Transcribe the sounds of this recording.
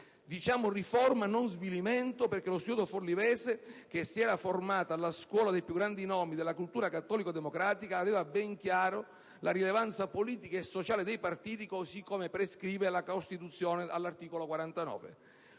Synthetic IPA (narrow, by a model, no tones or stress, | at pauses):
d̪it͡ʃaːmʊrifɔrmanonzviliment̪operk̟elosjuːd̪oforlivɛːsek̟esːiɛːɾaformaːt̪alaskwɔːlad̪ejpjuɡːɾand̪inɔːmid̪elakult̪uːɾakat̪ːɔːlikod̪emokɾaːt̪ikaːvɛːvabɛŋkjaːɾo | laɾilevant̪sapoliːt̪ikaesːot͡ʃaːled̪ejpart̪iːt̪̬ikosikːomepɾeskɾiːvelakost̪it̪ut̪sːjɔːnealːart̪iːkolokwaɾant̪anɔ̰ːvḛ